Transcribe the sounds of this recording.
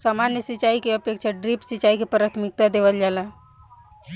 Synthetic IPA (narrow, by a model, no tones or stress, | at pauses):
samanjəsit͡ʃaːikeəpjekt͡ʃʰaɖɾipsit͡ʃaːikepɾaːt̪ʰmɪk̚t̪ad̪eːʋəld͡ʒaːla